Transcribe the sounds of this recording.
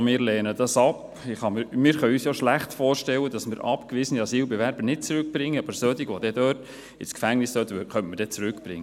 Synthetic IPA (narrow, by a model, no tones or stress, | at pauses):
mɪːɾlɛːnəd̥ɑsɑp | ɪχɑmɪmɪːɾχœyːsjoʃlæχtfɔːrʃtɛwːəd̥ɑsmɪːɾʔɑ̰pkʋiːzəniɑsiːlbɛvæɾbəɾnɪt̚t͡sɾʉk̚b̥ɾɪŋːəɑbəɾsœd̪iɡʋɔd̥̪ɛd̪œːt | ɪskfæŋnɪsdœt̪əøχœntməɾd̥ɛt͡sɾʉkb̥ɾɪ̰ŋːə